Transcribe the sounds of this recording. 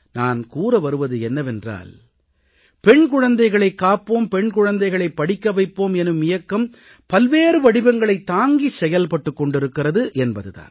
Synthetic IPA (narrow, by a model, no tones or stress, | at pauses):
naːnkuːɾɐʋɐɾɯʋɐðɯɛnːɐʋɛndra̰ːl | pɛɳk̬ʊɻɐnd̪ɐɪɣɐɭɐɪkːaːpːoːmpɛɳkʊɻɐnd̪ɐɪɣɐɭɐɪpːɐɽɪkːɐʋɐɪpːoːmɛnɯmɪjɐkːɐm | pɐlʋeːɾɯʋɐɽɪbɐŋɡɐɭɐɪt̪ːaːŋɡisɛjɐlpɐʈːɯkːɔɳɖɪɾɯkːɪrɐðɯʔɛnbɐðɯða̰ːn